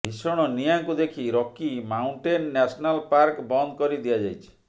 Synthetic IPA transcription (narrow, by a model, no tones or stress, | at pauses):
ɦisɔɽ̃ɔnijaŋkud̪ekʰiɾɔkːimauɳʈenːɛsɔnalpaɾkbɔnd̪ɔkɔɾid̪iad͡ʒajt͡ʃʰi̥